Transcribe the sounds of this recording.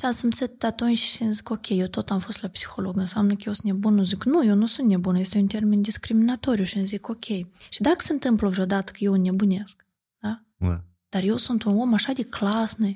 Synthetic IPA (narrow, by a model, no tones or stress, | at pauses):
ʃansɨnt̪sɨt̪t̪at̪onʲʃʃɛnzʲɨkokʲejewt̪ot̪amfost̪lʲapsʲi̥xolˠoɡɨnsamnɨkjewsnʲebunuzʲɨknujownusunt̪nʲebunjesʲt̪ʲajunt̪ʲermʲɪnd̪ʲiskɾʲimʲɪnat̪oɾʲijuʃɛnʲzʲikokʲʰejʃid̪akə̥sʲent̪ɨmplˠəvʒod̪at̪ə̥kjewnʲebunʲesk | d̪̥a | d̪̥arjewsunt̪unomaʂad̪ʲiklˠasnɨj